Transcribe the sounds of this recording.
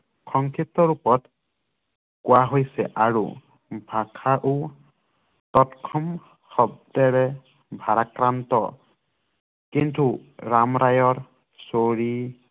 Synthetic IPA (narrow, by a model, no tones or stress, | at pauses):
xʰɔŋkʰitːɔɹupɔt | kʊwaɦojsɛ̰ʔaɹṵ | bʱakʰaʔu | tɔtkʰɔm | xɔb̚dɛɹɛ | bʱaɹakɹantɔ̰ | kintuɹamɹajɔɹ | soɹi